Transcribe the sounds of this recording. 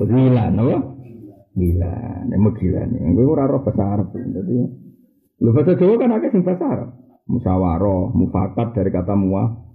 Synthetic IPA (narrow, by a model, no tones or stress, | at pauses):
osilanəwɔ | ila̰nḛməɡila̰nḛŋkiuɾaɾɔhbəsaɾəpit̪at̪i | lufəsḁd͡ʒowokanakɛsiŋpasaɾəp̚ | musawaɾɔhmufa̰kat̪̚d̥aɾikat̪amua